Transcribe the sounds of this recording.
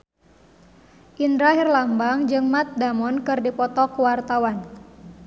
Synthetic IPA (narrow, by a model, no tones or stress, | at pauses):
ʔindɾaɦirlambaŋd͡ʒɨŋmat̪̚damɔnkɨrdipɔt̪ɔkuwart̪awan